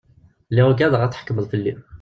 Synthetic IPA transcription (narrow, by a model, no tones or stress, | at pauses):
liʁɡæðʁæt̪ħkːməðˤfəlːi